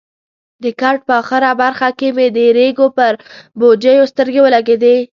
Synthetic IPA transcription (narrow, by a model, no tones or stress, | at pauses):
d̪əkaɾʈ̚pəxɪɾabaɾxakemed̪əɾeɡopəɾbod͡ʒəjost̪əɾɡewəlaɡed̪e